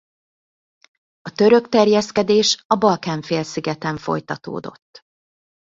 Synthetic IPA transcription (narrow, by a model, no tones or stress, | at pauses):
ɒt̪øɾøkt̪ɛrjɛskɛd̪eːʃɒbɒlkaːɱfeːlsiɡɛt̪ɛɱfo̞̰jt̪ɒt̪o̰ːd̪o̞̰t̪ː